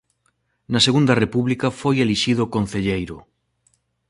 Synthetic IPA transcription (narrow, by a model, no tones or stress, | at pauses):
nɐseɣund̪ɐrepuβlikɐfojeliʃið̞okon̟θeʎejɾʊ̰